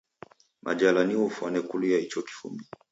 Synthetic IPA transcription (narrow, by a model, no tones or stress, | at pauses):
mʔa̰d͡ʒalaniufwanɛkulujait͡ʃɔki̥fṵmi